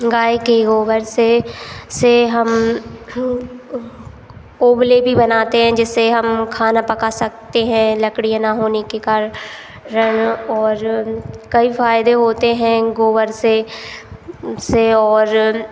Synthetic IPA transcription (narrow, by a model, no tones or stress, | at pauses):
ɡaːekeɡoːʋəɾseseɦɐm | oːblebʱibɐnaːt̪eɦɛ̃d͡ʒɪseɦɐmkʰaːnapɐkasɐk̚t̪eɦɛ̃lɐkɽijãnaɦoːnekekaːɾ | ɾəɳɔːɾkɐifaːjɪd̪eɦoːt̪eɦɛ̃ɡoːʋəɾse | seɔːɾ